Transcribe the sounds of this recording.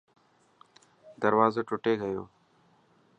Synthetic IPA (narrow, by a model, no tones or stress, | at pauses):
d̪ɐɾwaːzaʈʊʈeːɡəjoː